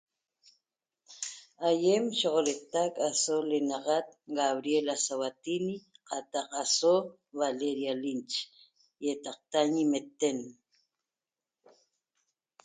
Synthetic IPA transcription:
ajemʃoʁoɾet̪akasolenɑʁat̪̚ɡaβɾjelasawat̪iniqɑt̪ɑqaso | βaleɾjalint͡ʃ | jet̪ɑq̚t̪aɲimet̪en

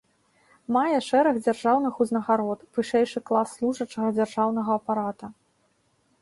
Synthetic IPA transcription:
majɛʂɛɾɐɣd͡zʲarʐawnɨxuznɐɣaɾɔt̪vɨʂɛjʂɨklˠasːlˠuʐɐt͡ʂɐɣɐd͡zʲarʐawnɐɣɐːpaɾat̪ɐ

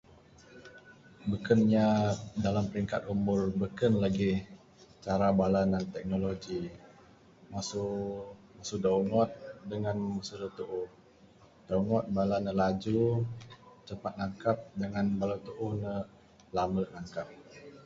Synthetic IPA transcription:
bəkənɲadalampəɾiŋkat̪̚umʊrbəkənlaɡi | t͡ʃaɾabalanant̪ɛk̚noloɡi | masu | masudauŋɔt̪̚dəŋanməsuɾət̪uʔʊh | d̥auŋɔt̪̚balanːəlad͡ʒu | t͡ʃəpat̪̚naŋkap̚dəŋanbalat̪uʔuhnə | lamənaŋkap̚

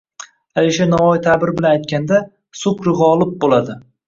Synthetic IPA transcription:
aliʃanaɒjt̪ʰabɪɾbɪlanajt̪̚kʲand̪a | sʊkɾɨʁːlˠɪp̚bolad̪ɪ

